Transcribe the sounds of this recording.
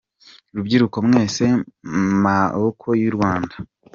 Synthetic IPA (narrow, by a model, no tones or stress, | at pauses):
ɾubɟiɾukomŋe̞ːse̞maβokʰo̞jiɾɡwaːnda